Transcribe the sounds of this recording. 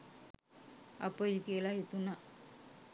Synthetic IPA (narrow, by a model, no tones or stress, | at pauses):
ɐpːoːikeːlaːjet̪ːunːa